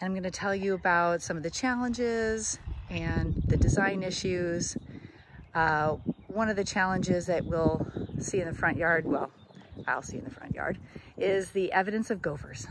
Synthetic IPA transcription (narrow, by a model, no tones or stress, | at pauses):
ɨ̃nãɪ̃mɡʌ̃nɨtʰɛlˠjɨəbaʊtsʌ̃mʌvðɨt͡ʃʰælˠə̃nd͡ʒɪzɨ̃nðɨdɨzãɪ̃nɪʃʉz̥ | ʌwʌ̃nʌvðɨt͡ʃʰælˠə̃nd͡ʒɪzðɨʔ̚wɪlˠsiɨ̃nðɨfɹʌ̃nʔjɑɹd̚wɛ̰lˠ | aɪlˠsiɨ̰̃nðɨfɹʌ̰̃nʔjɑ̰ɹɾɪzðiʔɛvɨɾɨ̃nsʌvɡoʊvə̰˞z̥